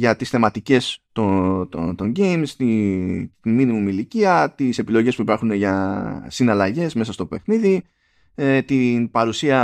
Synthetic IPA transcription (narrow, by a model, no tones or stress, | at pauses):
ʝɐt̪isθe̞mɐt̪ice̞st̪ot̪ot̪o̞ɲɟejmst̪i | iminimimiliciɐt̪ise̞pilo̞ʝe̞spuipɐɾxuneʝɐsinɐlɐʝe̞sme̞sɐst̪o̞pe̞xniði | et̪inpɐɾusiɐ